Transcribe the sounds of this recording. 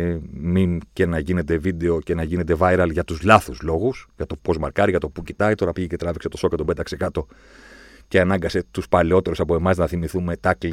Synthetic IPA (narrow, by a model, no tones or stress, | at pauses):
mimce̞nɐʝine̞t̪evid̪e̞o̞ce̞nɐʝine̞t̪e̞vɐjɾɐlʝɐt̪uzlɐθuzlo̞ɣusʝɐt̪o̞po̞zmɐɾkɐɾiʝɐt̪o̞pucit̪ɐit̪o̞ɾɐpiʝecet̪ɾɐvikse̞t̪o̞so̞kɐt̪obet̪ɐkse̞kɐt̪o̞ | ce̞ɐnɐŋɡɐse̞t̪uspɐleo̞t̪e̞ɾusɐpo̞e̞mɐznɐθimiθume̞t̪ɐkli